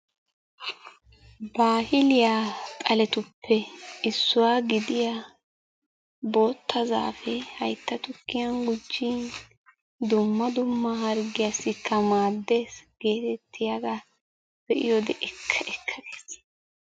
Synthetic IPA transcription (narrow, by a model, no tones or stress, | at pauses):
baːhɪlɪjat̪ʼɐlɛt̪ʊpʰːɛɪsːʊwaːɡɪd̪ɪja | bo̞ːt̪ʰːɐza̰ːfɛhɐjt̪ːɐt̪ʊkːɪjɐnɡʊd͡ʒːiːn | d̪ʊmːɐd̪ʊmːɐɦɐɾɡɪjasːɪkʰːɐmaːd̪ːeːsɡ̥e̞ːt̪ɛt̪ʰːɪjaɡa | b̥ɛʔɪ̰jɔd̪ɛʔɛkʰːɐʔɛkʰːɐd̪e̥ːs